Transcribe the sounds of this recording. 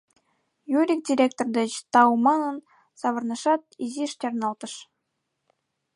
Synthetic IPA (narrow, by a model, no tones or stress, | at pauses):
juɾʲik̚dʲirʲek̚t̪ord̪ɘ̆t͡ɕt̪ɑwmɑnɤ̆n | sɑβɤ̆rnɤ̆ʂɑt̪̚iziʂt͡ɕʲɑrnɑlˠt̪ɤ̆ʃ